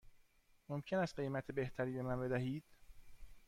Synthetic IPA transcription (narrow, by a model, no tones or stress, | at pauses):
momcʰe̞næst̪̚ɢe̞jmæt̪ʰebe̞ht̪ʰæɾiːbe̞mænbe̞d̪æɦiːd̪̥